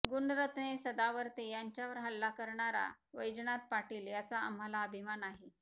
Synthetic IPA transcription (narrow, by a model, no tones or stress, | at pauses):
ɡuɳɖɾət̪nesəd̪aʋəɾt̪ejaɲt͡ɕjaʋəɾɦəlːakəɾɳaɾa̰ʋəjd͡zɳat̪̚paʈiːljat͡saə̰m̤alaəbʱimanaɦe